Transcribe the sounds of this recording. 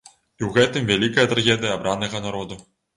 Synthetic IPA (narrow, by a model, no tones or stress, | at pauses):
iwɣɛt̪ɨmvʲælʲikɐjɐt̪ɾaɣʲɛd̪ɨjɐːbɾanɐɣɐnaɾɔd̪u